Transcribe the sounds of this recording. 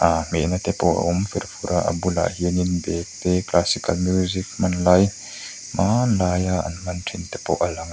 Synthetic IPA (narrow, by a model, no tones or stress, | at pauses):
ʔamɛ̰nat̪ɛpɔwa̰ʔumfiɾfuɾaʔɐ̰bula̰ɦiəninbɛk̚t̪ɛklasikɐlmjuzik̚mɐnlɐj | mʔanlaːjaɐ̰nmɐntʰint̪ɛpɔ̰wʔalaŋ